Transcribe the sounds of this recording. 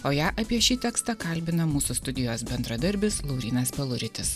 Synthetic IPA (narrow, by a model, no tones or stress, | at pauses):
oːjæːʔɐpʲiɛʃʲiːt̪ʲɛkst̪ɑkɐlʲbʲɪnɐmuːsʊst̪ʊd̪ʲɪjoːsbʲɛnd̪ɾɐd̪ɐɾʲbʲɪslˠɒʊɾʲiːnɐspʲɛlˠʊɾʲɪt̪ʲɪs